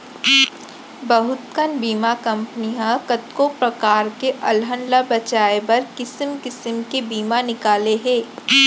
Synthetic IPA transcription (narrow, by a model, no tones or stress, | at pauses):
bɐɦʊt̪kənbiːmakɐ̃mpniãkɐt̪kopɾɐkaːɾkeʔɐlɦənlabɐt͡ʃaːebɐɾkɪsmkɪsəmkebiːmanɪkaːleɦɛ̃ː